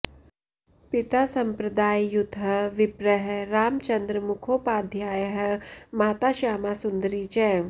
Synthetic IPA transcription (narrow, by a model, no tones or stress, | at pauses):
pit̪asɐmpɾɐd̪aːjjut̪ːɦɐʋipɾəɦeɾaːmt͡ʃɐnd̪ɾəmukʰoːpaːd̪ʱjaːjəɦə̆maːt̪aːʃaːmasund̪əɾiːt͡ʃɛ